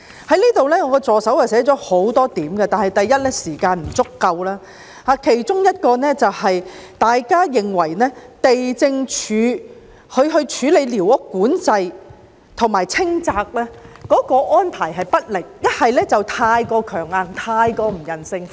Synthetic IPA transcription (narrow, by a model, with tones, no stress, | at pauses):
hɐ˨˥jniː˥t̪o˨wlɛː˥ŋɔː˨˧kɔ˧t͡sɔː˨sɐ˨˥wjɐ˨wsɛː˨˥t͡ʃɔː˨˥ho˨˥wt̪ɔː˥t̪iː˨˥mɡɛ˧t̪aː˨nhɐ˨jt̪ɐ˨jːɐ˥t̚lɛː˥siː˨˩kaː˧nm̩˨˩t͡sʊ˥kːɐ˧wlaː˥ | haː˨˧kʰe˨˩jt͡sʊ˥ŋjɐ˥t̚kɔː˧nɛː˥t͡sɐ˨whɐ˨jt̪aː˨jkaː˥jɪ˨ŋwɐ˨˩jnɛː˥t̪e˨jt͡sɪ˧ŋt͡ʃʰyː˨˧ | hɵ˨˧ɥɦɵ˧ɥt͡ʃʰyː˨˧˥le˨˧jliː˨˩wɔ˨˥kːuː˨˥nt͡sɐ˧j | t̪ʰʊ˨˩ŋmaː˨jt͡sʰɪ˥ŋt͡saː˧k̚lɛː˥kɔː˨˥kɔː˧ʔɔː˥npʰaː˨˩jɦɐ˨jpɐ˥t̚lɪ˨˩k̚jɐ˥t̚hɐ˨jlɛː˥t͡sɐ˨wt̪ʰaː˧jkɔː˧kʰœː˨˩ŋaː˨˩nt̪ʰaː˧jkɔː˧m̩˨˩jɐ˨˩nsɪ˧ŋ